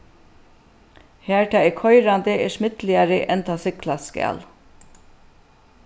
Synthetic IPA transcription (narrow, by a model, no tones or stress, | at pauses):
hæːɹt̪ʰɑːɛkʰɔʏɾand̪əʔɛʂmɪt̪lɪaɾəʔɛnt̪ʰɑːsɪklaskæ̰ːl